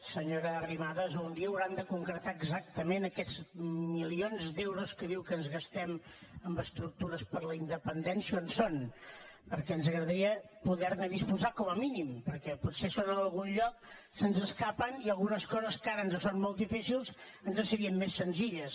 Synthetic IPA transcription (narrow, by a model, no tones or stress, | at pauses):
səɲoɾəːrimaðəzund̪iəːwɾand̪əkuŋkɾət̪aəɡzak̚t̪əmenəkɛzmilionzd̪ewɾoskəðiwkənzɣəst̪ɛməmbəst̪ɾuk̚t̪uɾəspəɾləind̪əpənd̪ɛnsjiəonson | pəɾkɛənzəɣɾəðəɾiə | puðɛɾnəðispuzakɔməminimpəɾkɛputsesonənəlˠɣunʎɔk̚ | sənzəskapəniəlˠɣunəskɔzəskaɾənzəsonmolˠd̪ifisilˠz | ənzəsəɾiəmːesːənziʎəs